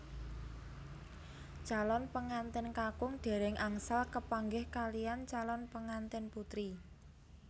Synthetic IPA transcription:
t͡ʃalɔnpəŋant̪ɪnkakʊŋɖ̥e̤ɾɪŋʔaŋsalkəpaŋɡɪhkalijant͡ʃalɔnpəŋant̪ɪnput̪ɾi

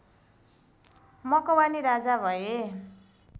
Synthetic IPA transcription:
mʌkʌwaniɾad͡zabʱʌe

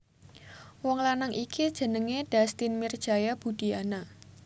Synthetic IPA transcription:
wɔŋlanaŋʔikʰid̥ʒ̥ə̤nəŋeɖ̥ast̪inmird̥ʒ̥a̤jab̥ṳd̥i̤ana

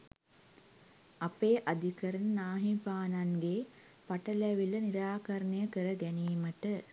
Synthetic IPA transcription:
apeːʔad̪ʱikɐɾənnaːɦipaːnaŋɡe | paʈəlæʋiləniɾaːkɐɾnəjəkəɾəɡɛniːməʈə

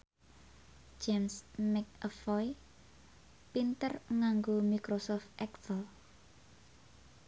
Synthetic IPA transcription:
d͡ʒemsmɛk̚əfɔj | pint̪ərŋaŋɡomikɾosɔft̪ʔɛksəl

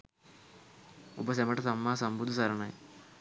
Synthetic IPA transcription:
ubɐs̬emɐʈɐt̪ɐmːaːsɐmbud̪ʱusɐɾɐɳɐj̰

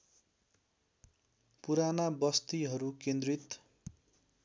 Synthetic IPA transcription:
puɾanabʌst̪iɦʌɾukẽnd̪rit̪

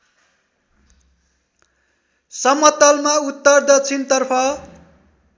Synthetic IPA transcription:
sʌmʌt̪ʌlmaut̪ːʌrd̪ʌt͡sʰint̪ʌrpʰʌ

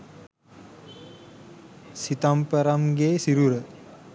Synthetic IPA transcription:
sit̪ampəɾamɡeːsiɾuɾə

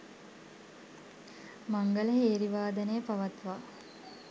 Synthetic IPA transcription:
maŋɡələɦeːɾiʋaːd̪ənejəpaʋɐt̪ʋaː

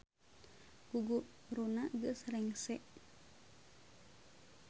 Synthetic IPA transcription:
ɡ̥uɡu | ɾunaɡəsrɛŋsɛʔ

